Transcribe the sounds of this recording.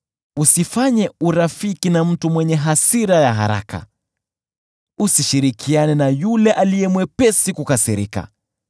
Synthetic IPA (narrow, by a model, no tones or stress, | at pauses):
usifaɲɛuɾafikinam̩tumwɛɲɛɦasiɾajaɦa̰ɾa̰ka̰ | usiʃiɾikʰianɛnajulɛʔalijɛmwɛpɛsikukasiɾika̰